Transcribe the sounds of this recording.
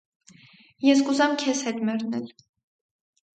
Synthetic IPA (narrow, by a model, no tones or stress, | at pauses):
jɛskuzɑmkʰɛshɛt̪mɛɾnɛl